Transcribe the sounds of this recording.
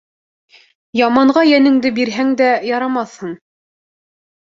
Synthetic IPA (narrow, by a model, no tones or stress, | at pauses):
jɑmɑɴɢɑjænɘ̆ŋd̪ɘbiɾɦæŋd̪æjɑɾɑmɑθhɤɴ